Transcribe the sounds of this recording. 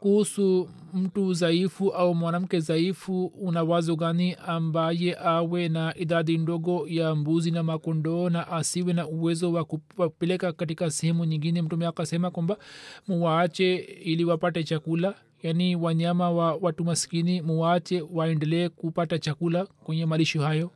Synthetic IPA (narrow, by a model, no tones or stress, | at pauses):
kuhusu | m̩tuzaifuʔaumwanam̩kɛzaifuunawazɔɡaniʔambajɛʔawɛnaʔiðaðindɔɡɔjambuzinamakɔndɔːnaʔasiwɛnauwɛzɔwakuwapɛlɛkakat̬ikasɛhɛmuɲiŋɡinɛm̩tumɛakasɛmakwambamuwaːt͡ʃɛiliwapatɛt͡ʃakula | janiwaɲamawawatumasi̥kinimuwaːt͡ʃɛwaɛndɛlɛːkupatat͡ʃakulakwɛɲɛmaliʃɔhajɔ